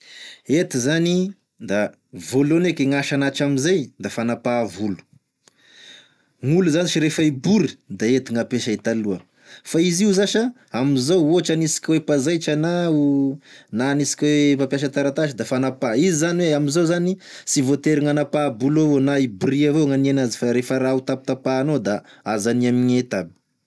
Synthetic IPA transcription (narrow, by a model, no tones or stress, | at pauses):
et̪izani | d̪a | volonekeŋaʃanaʈ͡ʂamizajd̪afanapavulu̥ | ŋuluzaniʃiɾefaibuɾi̥d̪aet̪iŋapeʃait̪aluə | faiziuzaʃa | amizowoaʈ͡ʂanisi̥kʲwepazajʈ͡ʂanau | nanisi̥kʲwepapjaʃ̬at̪aɾat̪aʃid̪afanapaizizaniweamizowzanisivot̪eɾiŋanapabulovonaibriavoŋanienazi̥faɾefəɾaut̪apit̪apanod̪a | azaniamiɲet̪abi̥